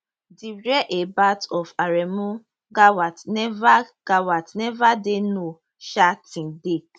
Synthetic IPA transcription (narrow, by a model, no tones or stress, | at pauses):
diɾɛʔebatɔfaɾɛmũ | ɡawatnɛvaɡ̥awatnɛvadeno | ʃatĩdek